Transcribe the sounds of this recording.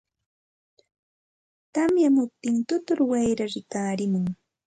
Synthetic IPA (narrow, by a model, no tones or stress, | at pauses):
t̪amjamʊp̚t̪ɪnt̪ʊt̪ʊɾwajɾaɾɪkaːɾɪmʊŋ